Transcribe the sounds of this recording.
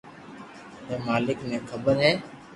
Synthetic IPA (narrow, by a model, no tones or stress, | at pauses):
ɦeːmaːlɪknẽːkʰəbəɾɦeː